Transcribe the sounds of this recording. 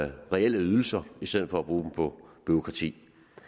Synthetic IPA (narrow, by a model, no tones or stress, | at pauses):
ʁɛel̰əyð̞ˠl̩sɐisd̥eð̰ð̩ˠfɒ̽æb̥ʁuːd̥m̩pʰɒ̽b̥yokʰʁɑ̈t͡sʰḭː